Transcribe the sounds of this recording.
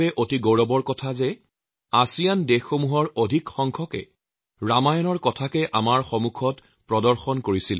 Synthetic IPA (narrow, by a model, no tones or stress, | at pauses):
ɛʔotiɡoɹɔbɔɹkɔtʰazɛ | asijandexːomuɦɔɹodʱikxɔŋkʰɔkɛ̰ | ɹamajɔnɔɹkɔtʰakɛʔa̰maɹxɔmukʰɔt | pɹɔdɔɹxɔnkoɹisil